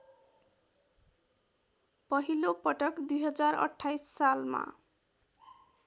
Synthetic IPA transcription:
pʌɦilopʌʈʌkd̪ujɦʌd͡zaɾʌ̰ʈʰːajsːalma̰

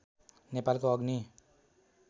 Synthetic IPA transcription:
nepalkoʌɡni

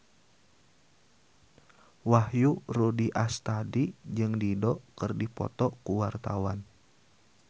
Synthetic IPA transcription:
wahjurudiʔast̪adid͡ʒɨŋdidɔkɨrdipɔ̰t̪ɔkuwart̪awan

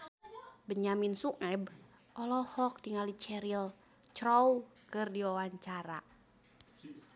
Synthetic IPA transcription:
bəɲaminsuŋɛb | ʔɔlɔhɔk̚diŋalit͡ʃɛɾil | t͡ʃɾoukɨrdiwawaɲt͡ʃaɾa̰

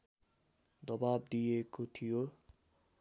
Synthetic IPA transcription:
d̪ʌbab̚d̪ijekot̪ʰijo

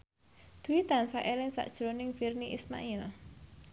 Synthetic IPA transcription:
d̪̥uwit̪ansaʔelɪŋsa̰ʔd̥ʒ̥ɾonɪŋfirniʔisma̰ʔil

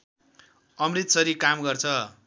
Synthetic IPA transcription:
ʌmrit̪sʌɾikamɡʌrt͡sʰʌ

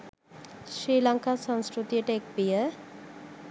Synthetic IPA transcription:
sɾilaŋkasə̃nskɾut̪ijəʈek̚bijə

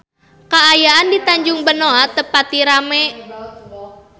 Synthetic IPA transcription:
kaːjaʔandit̪aɲd͡ʒʊŋbənoat̪əpat̪iɾamɛ

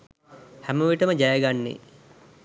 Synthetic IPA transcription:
hæməʋiʈəməd͡ʒajɐɡanːḛ

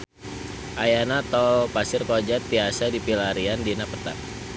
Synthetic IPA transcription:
ʔajanat̪ɔlpasɪrkod͡ʒat̪ːiasadipilaɾiandinapət̪a̰ʔ

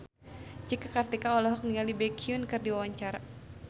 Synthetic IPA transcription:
d͡ʒikakart̪ikaɔlɔɦɔk̚niŋalibɛkʰiunkɨrdiwawaɲt͡ʃaɾa

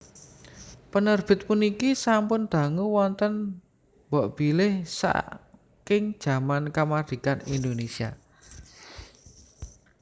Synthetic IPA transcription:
pənərb̥ɪ̤t̪̚punikisampʊnd̪̥a̤ŋuwɔnt̪ən | bɔʔb̥ilɪhsa̰ | kɪŋd̥ʒ̥a̤mankəmad̪̥i̤kanind̪onesia̰

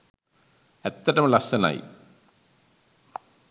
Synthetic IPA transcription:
et̪ːɐɾɐmlɐsɐna̰ːjḭ

